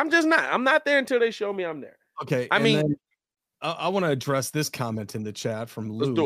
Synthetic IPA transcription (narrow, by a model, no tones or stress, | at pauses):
ãɪ̃md͡ʒʌsnət̚ã̰ɪ̃mnət̪̚ðə˞ɨ̃ntʰɪlˠðeɪʃoʊmiãɪ̃mðə̰˞ | oʊkʰeɪʔaɪɨ̃nmĩðɨ̃n | aʔa̰ɪwɑ̃nɨːdɹɛsðɪskʰɑmɛ̃ntɨ̃nðɨt͡ʃʰætfɹʌ̃mlu